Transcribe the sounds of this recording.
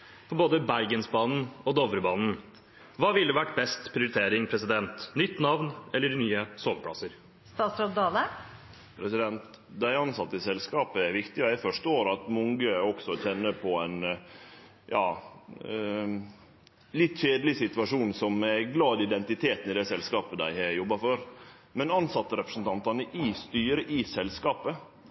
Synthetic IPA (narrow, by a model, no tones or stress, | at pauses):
fʰɔboːd̪əbæɾɡənsbɑːnn̩ɔd̪ɔʋɾəbɑːnn̩ | ʋɑːʋɪld̪ɛʋæʈːbɛst̪pʰɾɪʊɾɪt̪ʰeːɾɪŋpʰɾɛsɪd̪ɛnt̪nʏt̪ːnɑʋnɛlːəɖɪnyːəsoːʋəpʰɽɑ̰səɾ | st̪ɑːt̪sɾɑt̪d̪ɑːlə | pʰɾɛsɪd̪ɛnt̪ | d̪æɪɑnsɑt̪ːɪsɛlskɑːpəæɾʋɪkt̪ɪɔæɪfɔʂt̪əoːɾɑt̪mɔŋɡəɔksɔçɛnːəpʰɔɛn | jɑː | lɪt̪ːɕeːd̪əlɪsɪt̪ʋɑʂuːnsɔmːɛɡlɑːd̪ɪd̪ɛnt̪ɪt̪ʰeːt̪ən̩ɪd̪ɛsɛlskɑːpəd̪æ̰ɪhɛjɔbːɑfɔɾ | mɛnɑnsɑt̪ːəɾɛpɾəsn̩t̪ʰɑnt̪ɑnəʔɪst̪yːɾəʔɪsɛlskɑːpə